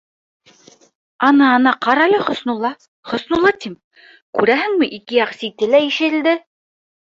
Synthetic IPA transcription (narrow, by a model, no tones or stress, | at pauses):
ɑnɑːnɑqɑɾɑlʲɤχŏsnŭlˠɑ | χŏsnulˠɑt̪im | kʉɾæɦɘ̆ŋmɘʔikɘ̆jɑqsit̪ɘlæiʃɘ̆ld̪ɘ